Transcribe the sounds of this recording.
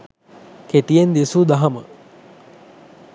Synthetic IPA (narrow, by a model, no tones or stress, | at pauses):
keʈijend̪esud̪aɦɐmə